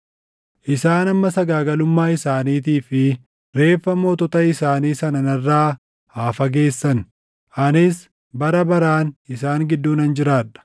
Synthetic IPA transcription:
ʔɪsaːnɐmːɐsɐɡaːɡɐlʊmːaːɪsaːniːt̪̬iːfɪ | ɾe̞ːfːɐmoːt̪ɔt̪ɐɪsaːniːsɐnɐnɐrːaː | haːfɐɡe̞ːsːɐn | ʔɐnɪs | bɐɾɐbɐɾaːnɪsaːŋɡɪd̪ːuːnɐnd͡ʒɪɾaːᶑɐ̥

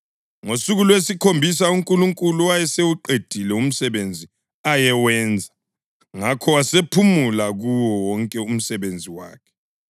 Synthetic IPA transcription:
ŋosuɣulwesikʰombʱisauŋkʼuluŋkʼuluwajɛsewuǃed̥ʱilɛum̩sɛβend͡zʱi | ajɛwɛːnd͡zʱa | ŋakʰɔwasepʰumulaɣuwɔwɔŋkʼɛum̩sɛβend͡zʱiwa̰ːkʰɛ̥

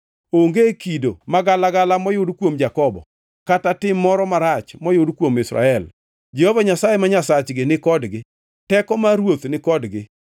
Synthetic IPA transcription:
oŋɡekido̰maɡalaɡalamɔjʊdkwomd͡ʒakɔbɔ̰ | katatɪmːɔɾɔmaɾat͡ʃmɔjʊdkwomɪsɾa̰ɛl | d͡ʒɛhovaɲasajemaɲasat͡ʃɡɪnɪkɔdɡɪ | tɛkɔmaɾwot̪nɪkɔdɡɪ

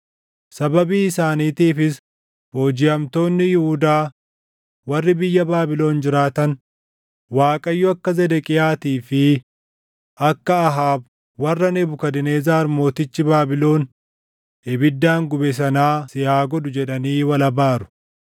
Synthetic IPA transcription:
sɐbɐbiːɪsaːniːt̪iːfɪs | bo̞ːd͡ʒɪɐmt̪o̞ːnːɪjɪhʊd̪aː | wɐrːɪbɪjːɐbaːbɪlo̞ːnd͡ʒɪɾaːt̪ɐn | waːkʼɐjːʊɐkːɐzɛd̪ɛkʼɪjaːt̪iːfɪ | ʔɐkːɐːɦaːb | wɐrːɐnɛbʊkɐd̪ɪneːzaːɐɾmo̞ːt̪ɪt͡ʃːɪbaːbɪlo̞ːn | ɛbɪd̪ːaːŋɡʊbɛs̬ɐnaːsɪhaːɡɔd̪ʊd͡ʒɛᶑɐniːwɐlɐbaːɾʊ̥

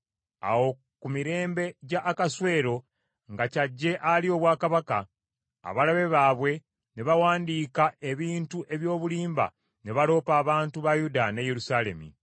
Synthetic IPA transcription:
a̰wo̞ | kumiɾe̞ːmbe̞ɟaʔːkaswe̞ːɾo̞ | ŋɡacaɟːe̞ʔalio̞βwaːkaβaka̰ː | βalaβe̞βaːβwe̞ | ne̞βawaːndiːkaeβiːntuʔe̞βjo̞ːβuliːmba̰ | ne̞βalo̞ːpaːβaːntuβajudane̞je̞ɾusale̞̰mḭ

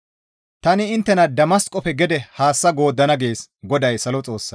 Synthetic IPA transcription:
t̪ɐnɪɪnt̪ːɛnɐd̪ɐmɐskʼɔpɛɡɛd̪ɛhaːsːɐɡo̞ːd̪ːɐnɐɡe̞ːsɡɔd̪ɐjsɐlɔt͡sʼo̞ːsːɐ

